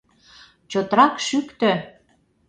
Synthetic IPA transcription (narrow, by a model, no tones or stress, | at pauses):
t͡ɕot̪ɾɑkʃykt̪ø̆